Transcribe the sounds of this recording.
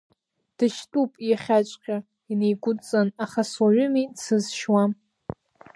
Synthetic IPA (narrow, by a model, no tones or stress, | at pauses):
d̥ɨʃtʼupʼjaχʲat͡ʃʷʼqʲʼa | inejɡʷʊt͡sʼanaχaswaʕʊmisɨzʃwam